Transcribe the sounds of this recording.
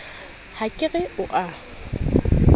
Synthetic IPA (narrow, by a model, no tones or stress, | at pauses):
hakʼɪɣɛʊʔa